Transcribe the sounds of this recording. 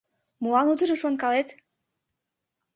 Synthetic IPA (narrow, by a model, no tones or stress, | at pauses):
muɑnut̪ɯɾɤʃonkɑlet̪